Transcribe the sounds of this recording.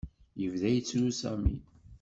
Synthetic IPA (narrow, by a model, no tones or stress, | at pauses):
jəvðæjt͡sːlusæmḭ